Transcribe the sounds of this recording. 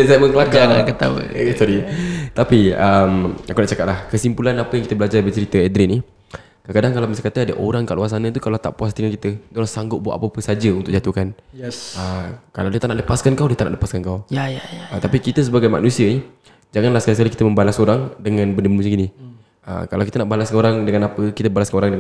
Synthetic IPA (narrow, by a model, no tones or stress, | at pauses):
asaməŋəlakaakət̪a̰t̪aɾit̪apiəmakunaʔt͡ʃakat̪̚lahkəsimpulanapəjaŋkit̪əbəlad͡ʒarbət͡ʃəɾit̪əɛd̪ɾini | kakadaŋkalawmisakat̪əadəʔo̰ɾaŋkaʔluas̬anə̃t̪ukalat̪a̰ʔpuast̪iŋakit̪əd̪olasaŋɡʊt̪ʔ̚bua̰ʔapapəsad͡ʒəunt̪ʊʔd͡ʒat̪ukanəkalawdiət̪aʔnaʔləpaskankawdiət̪anʔaʔləpaskankawjajt̪apikit̪əs̬əbaɡajma̰ʔnũsiənih | d͡ʒaŋanlahsə̥kalis̬kalikit̪əmə̃mbalasoɾaŋdəŋãnbəndəməmusəɡini | ə̰kalawkit̪ənaʔbalaskaoɾaŋdəŋanapəkit̪əbalaskanoɾaŋdəŋ